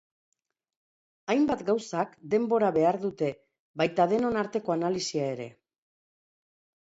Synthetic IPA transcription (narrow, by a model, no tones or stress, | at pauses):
ajmbat̪ɡawsakd̪e̞mbo̞ɾaβe̞aɾðut̪e̞ | βajt̪aðe̞no̞naɾt̪e̞ko̞analisiae̞ɾe̞̰